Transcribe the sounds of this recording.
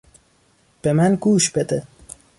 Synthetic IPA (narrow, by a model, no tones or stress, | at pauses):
b̥emænɡuːʃb̥ed̪e